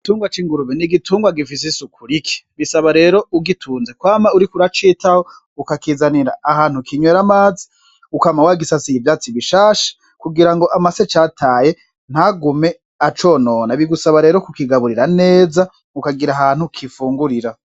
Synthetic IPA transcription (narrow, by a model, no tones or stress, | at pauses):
ituːŋɡwat͡ʃiːŋɡuɾuβeniɡitʰuːŋɡwaɡifis̬esukʰuɾikʰi̥βisaβaɾe̞ːɾo̞uɡitʰuːnzekwaːmauɾikuɾat͡ʃiːtaho | ukakizaniɾa̰ːhaːn̥hukʰiɲweɾamaːzi̥ | ukamawaɡisasiivjaːt͡siβiʃaːʃḁ | kuɡiɾaŋɡo̞ʔamaset͡ʃatʰaːje̞ | n̥haɡume̞ | at͡ʃo̞ːnonaβiɡusaβaɾe̞ːɾokukiɡaβuɾiɾane̞ːza | ukaɡiɾaɦaːn̥hukʰifuːŋɡuɾiɾa